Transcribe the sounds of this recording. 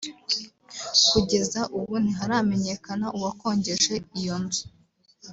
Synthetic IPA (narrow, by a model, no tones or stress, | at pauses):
kuɟe̞zaʔuβuniɦaɾame̞ɲe̞kanaʔuwako̞ːɲɟe̞ʃe̞ijo̞nzu̥